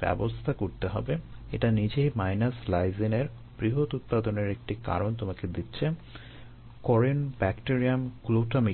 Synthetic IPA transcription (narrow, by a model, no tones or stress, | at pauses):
bɛ̰bost̪ʰakoɾt̪eɦɔ̰beḛʈanid͡ʑejmajnaslajzineɾ | b̥ɾiɦot̪ut̪̚pad̪oneɾek̚ʈika̰ɾont̪omaked̪itːɕʰe | kɔɾenbɛkʈiɾiamkloʈami